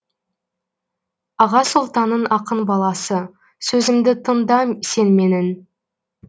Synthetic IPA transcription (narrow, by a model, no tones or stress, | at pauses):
ɑʁɑsʊlˠt̪ɑnːənɑqənbɑlˠɑsə | sɵzɪmd̪ɪt̪ʰənd̪ɑse̞nme̞nɪn